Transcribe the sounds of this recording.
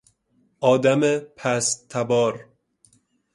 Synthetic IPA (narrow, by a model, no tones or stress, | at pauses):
ɒːd̪æmepʰæst̪ʰæbɒːɾ